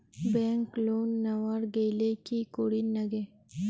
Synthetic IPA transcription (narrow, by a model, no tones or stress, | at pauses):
beŋkloːnːawaɾɡelekikoɽinɐɡe